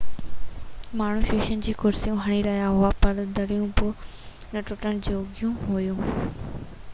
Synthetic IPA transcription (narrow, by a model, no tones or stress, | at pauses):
maːɳ̤ũːfjuːʃənd͡ʑiːkʊɾsijũɦɐɽ̃iɾɐɦijaɦʊapɐɾd̪ɐɽijũbɪ | nɐʈʊʈəñd͡ʑoːɡʱjũɦoːjũː